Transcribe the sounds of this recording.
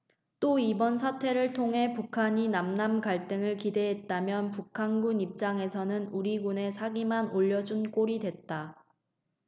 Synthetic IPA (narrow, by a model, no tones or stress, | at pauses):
t͈oibʌnsʰatʰe̞ɾɯɭtʰoŋɦe̞pukʰaɲinamnamɡaɭt͈ɯŋɯɭkide̞ɦet̚t͈amjʌnpukʰanɡunip̚t͡ɕ͈aŋe̞sʰʌnɯnuɾiɡune̞sʰaɡimanoʎːʌd͡ʑunk͈oɾidwe̞t̚t͈a